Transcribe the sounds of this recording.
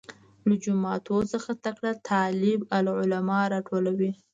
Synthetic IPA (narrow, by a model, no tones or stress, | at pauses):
ləd͡ʒʊmɑt̪osəxat̪akɽat̪ʰɑlibalʕʊlamɑɾɑʈʰolawi